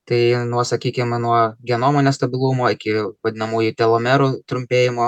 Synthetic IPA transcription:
t̪ɐɪnuɔsɐkʲiːkʲɪmnuɔɡʲɛnoːmoːnʲɛst̪ɐbʲɪlˠumoːɪkʲɪʋɐd̪ʲɪnɐmuːjʊt̪ʲɛlˠoːmʲɛɾut̪ɾʊmʲpʲeːjɪmoː

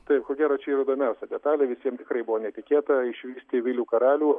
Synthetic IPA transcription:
t̪ɐɪpkoːɡʲæːɾɐːt͡ʃʲɛiːrɐid̪oːmʲɛʊsʲɛd̪ʲɛt̪ɑːlʲeːʋʲɪsʲiɛmt̪ʲɪkrɐɪbʊʋoːnʲɛt̪ʲɪkʲeːt̪ɐɪʃʲʋʲiːsʲt̪ʲɪʋʲɪlʲuːkɐɾɑːlʲuː

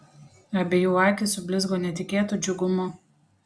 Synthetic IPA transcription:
ɐbʲejuːɑːkʲɪsʊbʲlʲɪzɡoːnʲɛt̪ʲɪkʲeːt̪uːˑd͡ʒʲʊɡʊmʊ

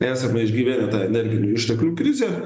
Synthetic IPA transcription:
æːsɐkmʲɛɪʒʲɡʲiːʋʲæːnʲɛt̪ɑːɛnʲɛɾʲɡʲɪnʲuːɪʃʲt̪ʲɛklʲuːkɾʲɪzʲeː

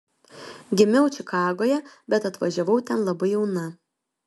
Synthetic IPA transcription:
ɡʲɪmʲɛʊt͡ʃʲɪkɑːɡoːjɛbʲɛt̪ɐt̪ʋɐʒʲɛʋɐʊt̪ʲɛnlˠɐbɐɪjɛʊnɐ

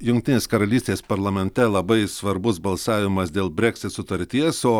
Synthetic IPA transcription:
jʊŋk̚ʲt̪ʲɪneːskɐɾɐlʲiːsʲt̪ʲeːspɐɾlˠɐmʲɛnʲt̪ʲɛlˠɐbɐɪsʋɐɾbʊsbɐlˠsɑːʋʲɪmɐsd̪ʲeːlˠbʲɾʲɛkʲsʲɪt̪sʊt̪ɐɾʲt̪ʲiɛsoː

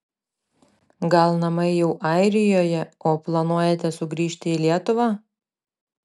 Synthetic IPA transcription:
ɡɐlˠnɐmɐɪjɛʊʔɑˑɪɾʲɪjoːjɛoːplˠɐnuɔjeːt̪ʲɛsʊɡɾʲiːʃʲt̪ʲɪilʲiɛt̪ʊʋɑː

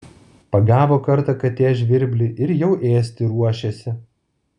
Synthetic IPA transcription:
pɐɡæːʋoːkɐɾˑt̪ɐkɐt̪ʲeːʒʲʋʲɪɾʲbʲlʲɪʔɪɾjɛʊʔeːsʲt̪ʲɪɾuɔʃʲesʲɪ

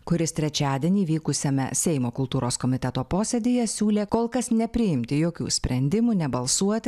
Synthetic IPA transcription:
kʊɾʲɪst̪ʲɾʲɛt͡ʃʲæːd̪ʲiɛnʲiːʋʲiːkʊsʲɛmʲɛ̰sʲɛɪmoːkʊlˠt̪uːɾoːskɔːmʲɪt̪ʲɛt̪oːpoːsʲed̪ʲɪjɛsʲuːlʲeːkoːlˠkɐsnʲɛpʲɾʲɪjɪmʲt̪ʲɪjoːkʲṵːsʲpʲɾʲɛnʲd̪ʲɪmuːnʲɛbɐlˠsuɔt̪ʲɪ

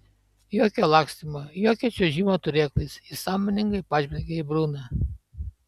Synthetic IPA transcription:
joːkʲoːlˠɑːksʲt̪ʲɪmojoːkʲɛt͡ʃʲoːʒʲiːmoːt̪ʊɾʲeːklˠʲɐɪsɪsɑːmʲɔnʲɪŋɡɐɪpɑːʒʲbʲɛɾʲɡʲɛɪbɾuːnɑ

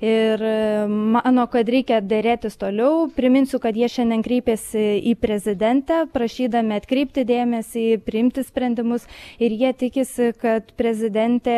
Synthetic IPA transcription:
ɪrmɑːnoːkɐt̪ɾʲɛɪkʲɛd̪ʲeɾʲeːt̪ʲɪst̪oːlʲɛʊpʲɾʲɪmʲɪnʲsʲʊkɐt̪jiɛʃʲɛnʲd̪ʲɛnkɾʲɛɪpʲeːsʲɪiːpʲɾʲɛzʲɪd̪ʲɛnʲt̪ʲɛpɾɐʃʲiːd̪ɐmʲɪɐt̪ʲkɾʲɛɪp̚ʲt̪ʲɪd̪ʲeːmʲɛsʲiːpʲɾʲɪɪmʲt̪ʲɪsʲpʲɾʲɛnʲd̪ʲɪmʊsɪɾjiɛt̪ʲɪkʲɪsʲɪkɐt̪pʲɾʲɛzʲɪd̪ʲɛnʲt̪ʲeː

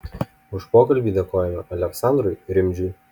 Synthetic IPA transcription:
ʊʃpoːkɐlʲbʲiːd̪ʲekoːjɛmʲɐʔɐlʲɛksɑˑnd̪ɾʊɪɾʲɪmʲd͡ʒʲʊɪ

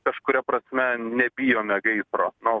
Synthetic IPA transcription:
kɐʃkʊɾʲɛpɾɐsʲmʲɛnʲɛbʲijoːmʲɛɡɐɪsɾoːno

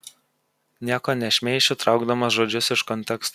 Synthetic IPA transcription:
nʲiɛkoːnʲɛʃʲmʲɛɪʃʲʊt̪ɾɑˑʊɡd̪ɐmɐsʒoːd͡ʒʲʊsɪʃkɔnʲt̪ʲɛkst̪

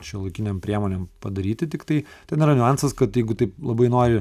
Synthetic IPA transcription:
ʃʲilˠɐɪkʲɪnʲempʲɾʲiɛmoːnʲempɐd̪ɐɾʲiːt̪ʲɪt̪ʲɪkt̪ɐɪt̪ʲɛnʲɪɾɐnʲʊɑˑnsɐskɐt̪jɛɪɡʊt̪ɐɪplˠɐbɐɪnoːɾʲɪ

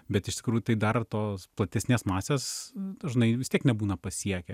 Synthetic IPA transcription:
bʲɛt̪ɪʃt̪ʲɪ̥kɾuːjʊt̪ɐɪd̪ɐrt̪oːsplˠɐt̪ʲɛsʲnʲeːsmɑːsʲeːsd̪ɐʒnɐɪʋʲɪst̪iɛknʲɛbuːnɐpɐsʲiɛkʲɛ

